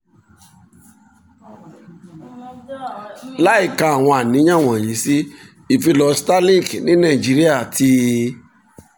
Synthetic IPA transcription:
la˦i˦˨ka˧a˨w̃ɔ̃˧a˨nĩ˨˦ã˦˨w̃ɔ̃˨jĩ˨˦si˦ | i˦˨fi˧lɔ˧sta˦lĩ˦˨knĩ˨˦nã˦˨i˨d͡ʒi˨˦ɾi˦a˦˨tʰi˧

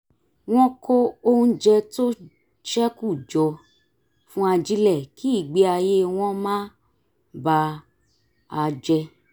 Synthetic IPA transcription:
w̃ɔ̃˦ko˦o˦ũ˦d͡ʒɛ˧to˦ | ʃɛ˦ku˦˨d͡ʒɔ˧ | fũ˦a˧d͡ʒi˦lɛ˦˨ki˦i˦˨ɡ͡be˧˦a˧je˦w̃ɔ̃˦mã˦ | ba˧ | a˧d͡ʒɛ˧

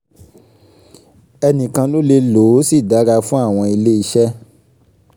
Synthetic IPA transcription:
ɛ˧nĩ˨kã˧lo˦le˧lo˨˦si˦˨da˨˦ɾa˧fũ˦a˦˨w̃ɔ̃˧i˧le˦i˧ʃɛ˦

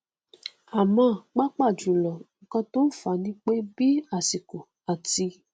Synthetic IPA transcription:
a˨mɔ̃˦˨k͡pa˦k͡pa˦˨d͡ʒũ˨lɔ˨ŋ̩˨kã˧to˦n̩˦˨fa˨˦nĩ˦k͡pe˦bi˦a˦˨si˨ko˨ | a˨ti˧

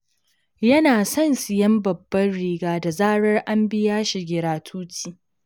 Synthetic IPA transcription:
jɐ˦naː˨sɐ˦˨nsɪ˨jɐ˦mbɐ˨bːɐ˦rɽiː˦ɡaː˦da˨zaː˦ɽɐ˦rʔa˦mbɪ˦jaː˦ʃi˨ɡʲɪ˨ɾaː˨tʰuː˦t͡ʃiː˦˨

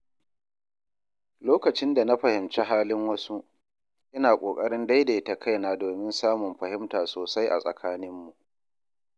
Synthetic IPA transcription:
loː˦kɐ˨t͡ʃɪ˦nda˨na˦ɸɐ˨hɪ˨mt͡ʃe˦ɦaː˦lɪ˦ŋwɐ˦su˦ʔ | ʔɪ˦naː˨kʷʼoː˨kʼɐ˦ɽɪ˦nda˦jde˨˦ta˨kʰa˦jnaː˦doː˨mɪ˦nsaː˦mʊ˨mɸɐ˨hɪ˦mtaː˨soː˨sa˦jʔa̰˨sʼɐ̰˨kʰaː˦nɪ˦mːu˨ʔʔ

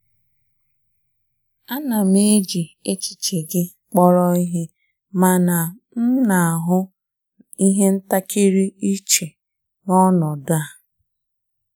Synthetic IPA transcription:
a˦na˨m˦e˦d͡ʒi˨e˦t͡ʃi̥˨t͡ʃe˨ɡɪ˦ | k͡pɔ˦ɾɔ˦i˦ɦe˦ | ma˨na˨ | n̩˦na˨a˨ɦʊ˦ | i˦ɦe˦n̩˦ta˦ki˦ɾi˦i˦t͡ʃe˨ | nɔ˦nɔ˨dʊ˦a˦

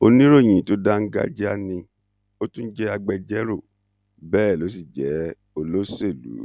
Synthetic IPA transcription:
o˧nĩ˦ɾo˦˨j̃ĩ˨to˦da˦ŋ̩˦ɡa̰˦d͡ʒɛ˦a˦nĩ˧ | o˦tũ˦n̩˦d͡ʒɛ˦a˧ɡ͡bɛ˧d͡ʒɛ˦ɾo˦˨ | bɛː˦˨lo˨˦s̬i˦˨d͡ʒɛ˨˦ | o˧lo˦se˦˨lṵ˨˦

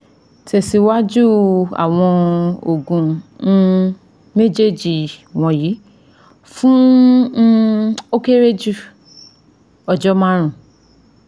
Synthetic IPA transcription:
te˨si˧˦wa˦d͡ʒu˦a̰˨w̃ɔ̃˧o˨ɡũ˨˦ | me˦d͡ʒe˦˨d͡ʒi˨w̃ɔ̃˧ji˨˦ | fũ˦ | o˦ke˦ɾe˦d͡ʒu˦ | ɔ˧d͡ʒɔ˦mã˦ɾ̃ũ˨

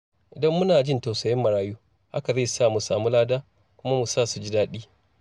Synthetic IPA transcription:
ʔɪ˨dɐ˦mːʊ˦naː˨d͡ʒɪ˦˨nta˨wsɐ˨jɪ˦mːɐ˨ɽaː˦juː˦ | ha̰˦ka˨za˦˨saː˦˨mu˨saː˨muː˦laː˦daː˦ | kʷʊ˦ma˦mu˨saː˦˨su˨d͡ʒɪ˦daː˦ɗiː˦

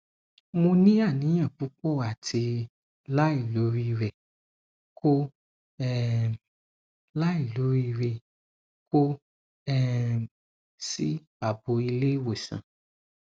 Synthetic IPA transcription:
mo˧nĩ˦a˦˨nĩ˨˦j̃ã˦˨fu˨˦k͡pɔ˦˨a˨tʰi˧ | la˦i˦˨lo˨˦ɾi˦˧ɾɛ˨ | ko˦ | ɛ˦ | la˦i˦˨lo˨˦ɾi˦˧ɾe˧ | ko˦ | ɛ˦ | si˦ba˨bo˧i˧le˦we˨sã̰˨

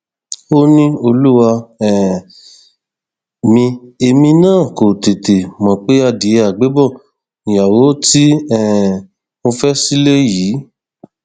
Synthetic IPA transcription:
o˦nĩ˦o˧lu˦wa˧ɛ˨ | mĩ˧e˧mĩ˧nãː˦˨ko˨te˨te˨mɔ̃˨k͡pe˦a˦˨di˨˧˦a˨ɡ͡be˨˦bɔ˦˨ | nĩ˨ja˨wo˨˦ti˦ɛ˨ | mo˧fɛ˦si˦le˦ji˨˦

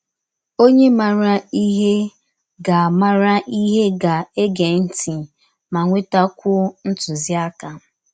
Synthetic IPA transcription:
o˦ɲe˦ma˨ɾa˦i˦ɦe˦ | ɡa˨a˨ma˦ɾa˦ʔi˦ɦe˦ɡa˨e˦ɡe˨n̩˦ti˨ | ma˨ŋʷe˦ta˦kʷʊ˦n̩˦tʊ˨zɪ˦a˦ka˨˦

